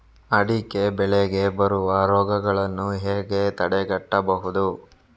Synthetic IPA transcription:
ɐɽikebɛɭeɡe̞bɐɾuʋɐɾɔːɡɐɡɐɭɐnːuɦeːɡe̞t̪ɐɽɛɡɐʈːɐbɐɦud̪u

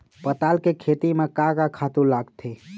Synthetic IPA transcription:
pət̪alkekʰet̪imekakakʰat̪uɾlaɡt̪ʰe

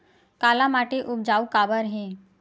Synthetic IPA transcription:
kalamaʈeʔub̚d͡zaukabəɾɦẽ

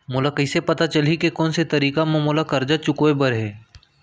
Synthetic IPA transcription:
mʊlakɐɪsepɐt̪at͡ʃɐlikekɔːnset̪ɐɾiːkamõmoːlakɐɾd͡ʒat͡ʃʊkoebəɾɦɛː

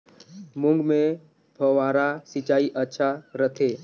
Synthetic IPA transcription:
mʊ̃ŋɡmẽ | bʱəwaːɾasɪt͡ʃaːiʔətːʃʰaɾət̪ʰeː

